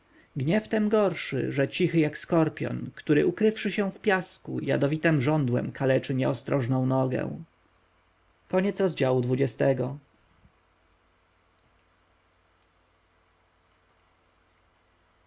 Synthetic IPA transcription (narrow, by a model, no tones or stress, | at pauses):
ɡɲɛft̪ɛmɡɔɾʂɘ̰ʐɛt͡ɕixɘjakskɔɾpʲjɔ̰nkt̪uɾɘʔukɾɘfʂɘɕɛ̃fpʲjaskṵja̰d̪ɔvʲit̪ɛmʐɔnd̪wɛ̰mkʰalɛt͡ʂɘɲɛɔst̪ɾɔʐnɔ̃w̃nɔɡɛ̰w̃ | kɔɲɛt̪sɾɔzd͡ʑawud̪vud͡ʑɛst̪ɛɡɔ